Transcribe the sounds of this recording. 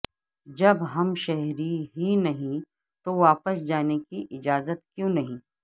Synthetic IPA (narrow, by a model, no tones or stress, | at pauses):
d͡ʒɐbɦɐmʃɛɦɾiɦinɐɦĩ | t̪oʋaːpəsd͡ʒaːnekiʔɪd͡ʒaːzət̪kjõːnɐɦĩː